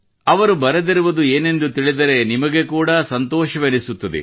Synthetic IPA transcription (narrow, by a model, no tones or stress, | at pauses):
ɐʋɐɾubɐɾed̪iɾuʋɐd̪ue̞ːne̞nd̪ut̪iɭid̪ɐɾe̞nimɐɡe̞kuːɽɐsɐnt̪ɔːʃɐʋenisut̪ːɐd̪ḛ